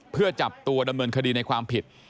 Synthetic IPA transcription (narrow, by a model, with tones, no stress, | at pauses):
pʰɯ˥˩ɐt͡ɕa˨˩p̚t̪u˧ɐda˧mnɤː˧nkʰa˧diː˧na˧jkʰwaː˧mpʰi˨˩t̪̚